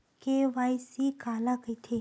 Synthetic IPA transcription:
keʋajsikalakəjt̪ʰe

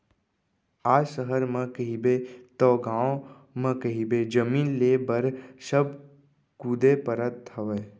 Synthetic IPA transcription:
aːsəɦəɾmə̃kəɦibet̪ɔːɡaːõ | mə̃kəɦibed͡ʒəmiːnleːbəɾsəb̚ | kuːd̪epəɾət̪ʰːəʋeː

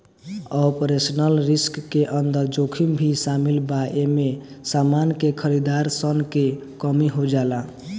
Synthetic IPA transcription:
ɔpɾesnəlɾiskːeʔənd̪əɾd͡ʒokʰimbʱisamilbaʔeme | samankekʰəɾid̪aɾsənkekəmiɦod͡ʒala

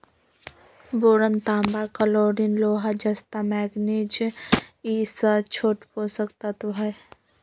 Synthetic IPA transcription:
boɾənt̪aːmbakəloɾinloːɦad͡ʒəst̪amɛːɡnid͡ʒ | isət͡ʃʰoːʈposəkt̪at̪bʱəj

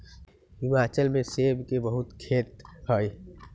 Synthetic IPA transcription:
ɦɪmaːt͡ʃəlmẽsebkebəɦʊt̪kʰeːt̪ɦəj

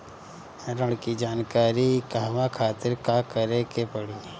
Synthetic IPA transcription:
ɾəɽkid͡ʒaːnkaːɾikaɦʋãkʰaːt̪ɪɾkakəɾekepəɽi

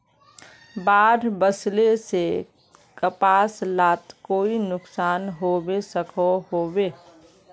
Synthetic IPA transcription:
baːɾbəslese | kəpaːslaːt̪koːinʊksaːnɦoːbesəkʰoɦoːbeː

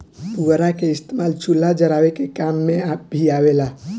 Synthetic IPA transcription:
puɾakeɪst̪emalt͡ʃulːad͡ʒəɾaʋekekamːeabʱiaʋela

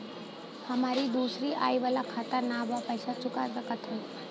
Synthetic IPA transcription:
həmaːɾid̪uːsɾiʔa̰ːiʋaːlakʰaːt̪əɾnabapəjɪsat͡ʃʊkaɾsakət̪ʰe

